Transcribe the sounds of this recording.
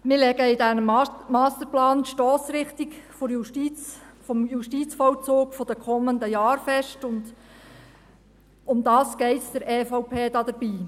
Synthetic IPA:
mɪːɾlɛɡəɪdænəmmɑːst̪əɾplɑːnʃtɔːsɾɪχt̪ɪkfoɾjuʃtit͡sfɔmjuʃtit͡sfɔwt͡soːkfɔd̥əkʰɔmːənd̪əjɑːɾfɛʃtʊnd | ʊmd̪ɑːsɡ̥eɪtsd̥ɛɾeːfɔʊpʰeːd̥ɑːd̥̪əɾb̥iː

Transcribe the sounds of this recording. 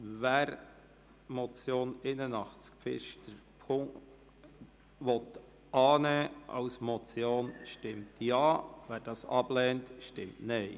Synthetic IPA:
vɛːɾ | mɔt͡sjoːnɪnənɑχt͡sɪ̥k̚fɪ̰ʃtəɾpʰʊŋt | ʋɔt | ʔɑːnɛːʔɑ̰ʊsmɔt͡sjoːnʃtɪmtʰjɑːvæːɾd̥ɑsɑblɛːntʃtɪmtneɪ

